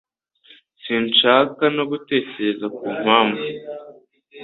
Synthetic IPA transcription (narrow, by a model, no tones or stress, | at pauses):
siːnt͡ʃaːkano̞ɡute̞ːcezakuːm̥haːɱvu